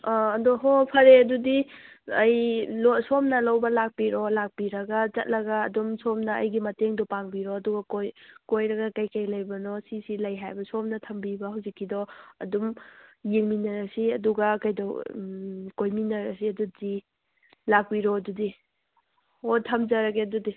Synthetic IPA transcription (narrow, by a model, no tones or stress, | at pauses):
ɐdɔɦopʰɐɾeɐdudi | ɐjlɔsomnɐlɐwbɐlak̚piɾɔlak̚piɾɐɡɐt͡ʃɐt̚lɐɡɐːdumsomnɐɐ̰jɡimɐteŋdɔpaŋbiɾɔːduɡɐkojkojɾɐɡɐkɐjkɐjlɐjbɐnɔsisilɐjɦajbɐsomnɐtʰɐmbibɐhawzikʰːidɔɐ̰dumjiŋminɐɾɐsiɐduɡɐkɐjdɔ | kojminɐɾɐsiɐdudi | lak̚piɾɔɐdudi | otʰɐmd͡ʒɐɾɐɡeɐdudi